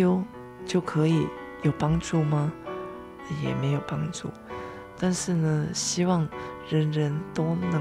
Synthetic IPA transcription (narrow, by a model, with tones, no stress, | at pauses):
o˧˥ʊ | t͡ɕjo˥˩ʊkʰɤ˧˥i˨˩ | jo˨˩ʊpɑ˥ŋʈ͡ʂu˥˩mɐ˨ | jɛ̰˨˩me˧˥ɪjo˨˩ʊpɑ˥ŋʈ͡ʂu˥˩ | t̪a˥˧nʂɻ̩˥˩nə˨˩ɕi˥wɑ˥˩ŋɻə˧˥nɻə˧˥nt̪o˥ʊnɤ˧˥